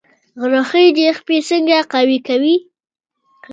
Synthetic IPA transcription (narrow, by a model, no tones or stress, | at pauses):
ɣɾoxəjd̪expesəŋɡaqawikawi